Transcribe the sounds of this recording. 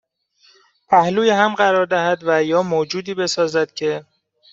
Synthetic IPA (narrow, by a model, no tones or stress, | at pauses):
pʰæhluːjeɦæmɢæɾɒːɾd̪æhæd̪væjɒːmoːd͡ʒuːd̪iːbe̞sɒːzæd̪̥̚cʰe̞